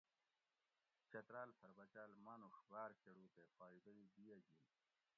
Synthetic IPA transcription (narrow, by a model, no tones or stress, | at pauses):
t͡ɕɐt̪ɾaːlpʰɐɾbɐt͡ɕaːlmanuʂbaːɾɕeɽuːt̪efaːid̪ɐid̪ijɐd͡ʑin